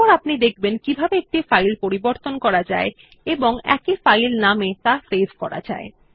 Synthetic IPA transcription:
ɔɾapnid̪ek̚ʰbenkibʱabeek̚ʈifajlpoɾiboɾt̪onkɔɾad͡ʑae | eboŋɛ̰kifajlnamet̪afezʱkɔɾa̰d͡ʑa̰e

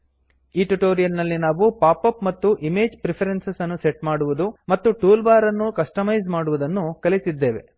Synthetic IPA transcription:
iːʈuʈoːɾijɐlnɐlːinaːʋupaːpɐpmɐt̪ːuʔimeːd͡ʒpɾipʰɐɾensesɐnːuseʈmaːɽuʋud̪umɐt̪ːuʈuːlbaːɾɐnːukɐsʈɐmɐjzmaːɽuʋud̪ɐnːukɐlit̪id̪ːeːʋe̞̰

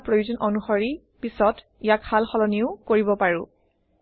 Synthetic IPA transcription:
pɹojuzɔnɔnuxɔɹi | pisɔt | ijakhalxɔlɔniʊkoɹibɔpaɹʊ̃

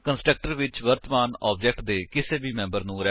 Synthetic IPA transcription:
kənsʈɾək̚ʈəɾʋɪt͡ʃʋəɾt̪əmaːnɔ̰ːb̚d͡ʒɛk̚ʈd̪eːkɪseːbiːmɛ̃ːmbəɾnũːɾɛ

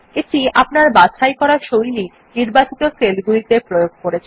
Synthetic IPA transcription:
eʈiapnaɾbaʃʰajkɔɾaʃojli | niɾbat͡ɕit̪okelɡulit̪epɾojoɡ̚ʱkoɾet͡ɕʰen

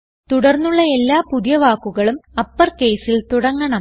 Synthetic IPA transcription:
t̪uɽɐrnːuɭːɐe̞lːaːpuðjɐʋaːkːuɣɐɭumɐpːɐrke̞ːsilt̪uɽɐŋːɐɳɐm

